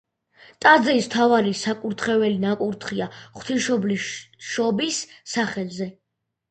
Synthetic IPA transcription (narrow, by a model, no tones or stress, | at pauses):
t̪ʼad̪zɛist̪ʰavaɾisakʼuɾt̪ʰχɛvɛlinakʼuɾt̪ʰχiaχt̪ʰiʃɔbliʃɔbisːaχɛlˠzɛ